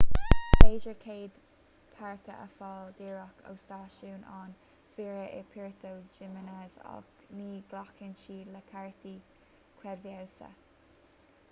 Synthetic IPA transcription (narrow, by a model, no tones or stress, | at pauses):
beːd͡ʒəɹkʰeːd̪ | pʰaɹkəʔə̰fɑːld̪iɹakʰə̰wst̪ɑːʃuːnaːn | fiːɹəʔɛpʰiɹt̪ʰowd͡ʒɪmənɛza̰k | niːɡ̥lakʰɪnʃiːləkʰaɹt̪i | kʰwɛvjawsə̰